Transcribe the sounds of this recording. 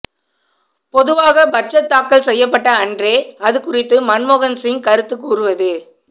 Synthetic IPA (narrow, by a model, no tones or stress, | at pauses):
pɔðɯʋaːɣɐbɐt͡ʃːɐt̪ːaːkːɐɭsɛjːɐp̬ːɐʈːɐːndreːɐðɯkʊrɪt̪ːɯmɐnmoːɣɐnsɪŋkɐɾɯt̪ːɯkːuːrɯʋɐðɯ